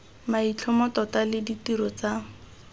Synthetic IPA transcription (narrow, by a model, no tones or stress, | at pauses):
mait͡ɬʰɔmɔtɔtalɪditiɾɔt͡sa